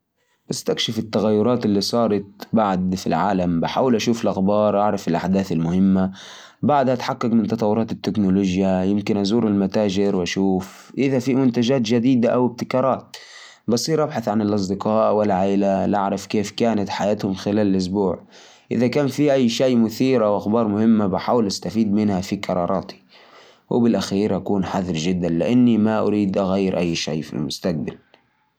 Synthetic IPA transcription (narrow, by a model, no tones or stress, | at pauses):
bast̪akʃɪfɪt̪ːaɣajːʊɾˤɑːt̪ɪlːiːsˤɑːɾˤɑt̪̚baʕd̪fḭlʕa̰ːlambɪħaːwalʔaʃuːfɪlʔaxbɑːɾˤʔaʕɾˤɑfɪlʔaħd̪aːθɪlmʊhɪmːa | baʕd̪haʔt̪ħakːɑkmɪnt̪ɑt̪ˤɑwːʊɾˤɑːt̪ɪt̪ːɪknʊloːd͡ʒjajɪmkɪnʔazuːɾɪlmat̪aːd͡ʒɪɾwʔaʃuːf | ʔɪðafimʊnt̪ad͡ʒaːt̪d͡ʒad̪iːd̪aʔawɪb̚t̪ɪkɑːɾˤɑːt̪̚ | bɑsˤiːɾʔabħaθʕanɪlʔɑsˤd̪ɪqɑːʔwɪlːʕaːʔlalʔaʕɾˤɑfkeːfkaːnat̪ħajaːt̪hʊmxɪlaːlɪlʔʊs̬buːʕ | ʔɪðakaːnfiʔajːʃajːmʊθiːɾawʔaxbɑːɾˤmʊhɪmːabɪħaːwɪlʔast̪afiːd̪mɪnhafikʰɑɾˤɑ̰ːɾˤɑːt̪i̥ | wɪbɪlʔaxiːɾʔakuːnħaðˤɪɾʒɪd̪ːanlɪʔanːimaʔʊɾiːd̪ʔaɣajːɪɾʔajːʃa̰jːfḭlmʊst̪aq̚bal